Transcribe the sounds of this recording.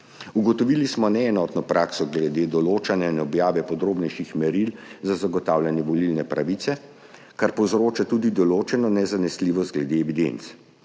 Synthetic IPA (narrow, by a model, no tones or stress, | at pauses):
uɡɔt̪ɔʋilismɔnɛːnɔt̪nɔpɾʔaːksɔɡlɛd̪eːd̪ɔloːt͡ʃanjainɔbjaːʋɛpɔd̪ɾoːbnɛjʃixmɛɾilzazaɡɔt̪aːwlʲjanjɛʋɔlilnɛpɾaʋit̪sɛ | kaɾpɔwzɾoːt͡ʃat̪uːd̪id̪ɔloːt͡ʃɛnɔnɛzanɛsliːʋɔst̪̚ɡlɛd̪eɛʋid̪ḛnt̪s